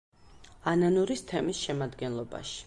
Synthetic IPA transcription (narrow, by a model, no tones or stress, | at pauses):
ananuɾist̪ʰɛmisʃɛmad̪ɡɛnlˠɔba̰ʃi̥